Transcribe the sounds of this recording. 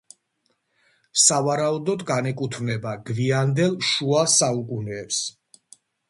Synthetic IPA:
savaɾaud̪ɔd̪ɡanɛkʼut̪ʰvnɛbaɡviand̪ɛlˠʃuasaukʼunɛːps

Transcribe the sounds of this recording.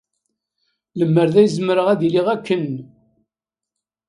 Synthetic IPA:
ləmːəɾðæjzməɾəʁæðiliʁækːən

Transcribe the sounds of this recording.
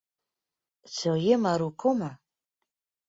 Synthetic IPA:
t͡sʰojemaɾukʰoma

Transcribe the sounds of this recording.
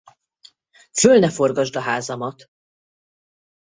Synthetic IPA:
følnɛfo̞rɡɒʒd̪ɒɦaːzɒmɒt̪

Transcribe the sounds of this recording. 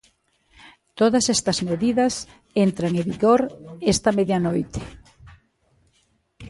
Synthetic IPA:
t̪oðɐsest̪ɐzmeðiðɐs | ent̪ɾaŋeβiɣoɾest̪ɐmeðjɐnojt̪e̥

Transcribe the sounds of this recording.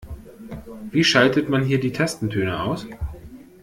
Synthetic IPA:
v̥iːʃaltətmanɦiːɐdiːtʰɛstn̩tʰøːnəʔa̰ʊs

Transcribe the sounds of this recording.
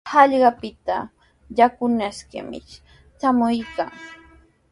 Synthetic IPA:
hɑʎɢɑpɪt̪a̰ | jakʊnaskɪ̰mɪ̰ | t͡ʃamʊjkaŋ

